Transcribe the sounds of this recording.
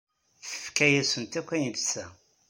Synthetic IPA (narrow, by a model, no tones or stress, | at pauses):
θəfkæjæsənt̪ækʷːæjivsæ